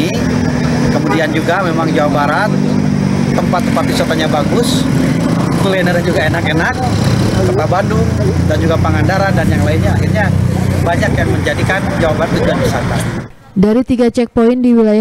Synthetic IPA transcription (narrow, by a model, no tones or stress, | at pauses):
i | kəmudiand͡ʒuɡamemaŋd͡ʒawabaɾat̪̚ː | əmpat̪ːəmpat̪̚disɔt̪oɲabaɡʊs | kulɛnəɾad͡ʒuɡaenakenak̚ | kət̪abandu | dand͡ʒuɡapəŋandaɾandanjaŋlaɪnɲaːxirɲabaɲakjaŋməɲd͡ʒadikand͡ʒawabaɾat̪ːud͡ʒuanbisak̪a | daɾit̪iɡat͡ʃɛk̚poɪndiwilaja